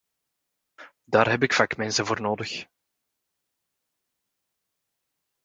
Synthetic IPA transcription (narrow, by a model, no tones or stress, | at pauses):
daːrɦɛbɪkfaːkmɛnsəvoːrnoːdəx